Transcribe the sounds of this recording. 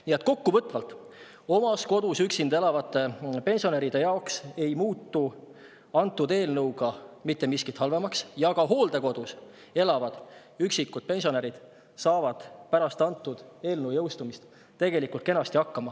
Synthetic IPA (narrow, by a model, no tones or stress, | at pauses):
nie̞t̪ːˑko̞kːuvɤt̪ːˑvɑlt̪ | o̞mɑsko̞d̪̥usyksind̪e̞lɑvɑt̪ːˑe̞pe̞nʲsio̞neɾid̪̥e̞jɑokse̞jmuːt̪ːu | ɑnt̪ːud̪e̞ːlnɤwɡ̥ɑmit̪ːe̞miskit̪hɑlve̞mɑksjɑɡ̥ɑɦo̞ːld̪e̞ko̞d̪̥us | e̞lɑvɑd̪̥ | yksikːˑud̥̪̚pe̞nʲsʲio̞neɾid̪̥ | sɑːvɑd̪̥pæɾɑst̪ɑnt̪ːˑud̪̥e̞ːlnɤwjɤwst̪umist̪ | t̪e̞ɡ̥e̞likult̪ke̞nɑst̪iɑkːɑmɑ